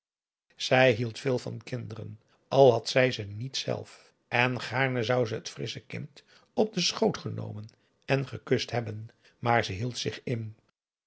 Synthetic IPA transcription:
z̥ɛjɦilˠtfɪːlˠvɑ̰nkɪndərə̰n | ɑlˠɦɑtsɛjzənitsɛ̰lˠf | ʔɛnχaːɹnəzɑwzəɦətfrɪsəkɪ̰nt | ɔb̚dəsχowtχəno̰wmən | ɛnχəkɵstɦɛbən | maːɹzəɦilˠtsɪχɪn

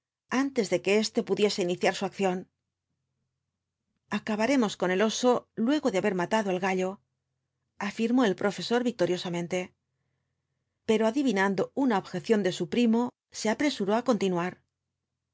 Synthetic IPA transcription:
ant̪e̞zðe̞ke̞est̪e̞puðje̞se̞iniθjaɾsuakθjo̞n | akaβaɾe̞mo̞sko̞ne̞lo̞so̞lwe̞ɣo̞ðeaβe̞ɾmat̪aðoalɣaʎo̞ | afiɾmo̞e̞lpɾo̞fe̞so̞ɾβik̚t̪o̞ɾjo̞samẽ̞nt̪e̞ | pe̞ɾoaðiβinand̪o̞unaoβxe̞θjo̞nd̪e̞supɾimo̞ | se̞apɾe̞suɾoako̞nt̪inuaɾ

